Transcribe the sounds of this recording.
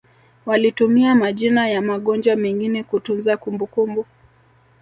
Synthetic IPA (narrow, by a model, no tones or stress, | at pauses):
walitumiamaʄinajamaɠɔnd͡ʒwamɛŋɡinɛkutunzakumbukumbu